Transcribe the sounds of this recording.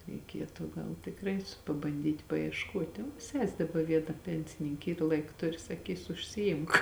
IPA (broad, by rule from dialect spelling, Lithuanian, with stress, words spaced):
rʲɛɪˈkʲiɛtʊ ˈɡɐlˠ tʲɪkˈrɐɪ pɐbɐnʲˈdʲiːtʲ pɐɪɛʃˈkuɔtʲ oː ˈsʲɛsʲ dɐˈbɐ ˈʋʲiɛnɐ ˈpʲɛnʲsʲɪnʲɪŋʲkʲ ˈiːr ˈlˠɐɪk ˈtʊrʲɪ sɐˈkʲiːsʊ ʊʃʲsʲɪˈɪmk